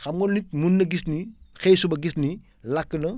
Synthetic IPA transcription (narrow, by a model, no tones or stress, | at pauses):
xɐmɡɔnnit̚munːɐɡisnixejsubɐɡisni | lɐkːənɐ